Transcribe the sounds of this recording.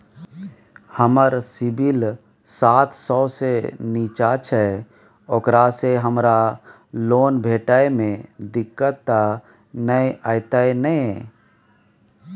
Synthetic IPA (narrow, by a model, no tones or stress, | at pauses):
həməɾsɪbil | saːt̪ʰsɔːseniːt͡ʃat͡ʃʰɛ | okɾaseɦəmɾa | loːnbʱeːʈaemẽd̪ɪkːət̪ːa | nəaɪt̪aenə